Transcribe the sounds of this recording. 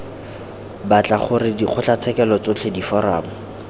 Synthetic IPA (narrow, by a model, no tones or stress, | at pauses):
bat͡ɬʼaχʊrɪdiχʊt͡ɬʰat͡sʰɛkɛlɔt͡sot͡ɬʰedifɔɾa̰ːmʊ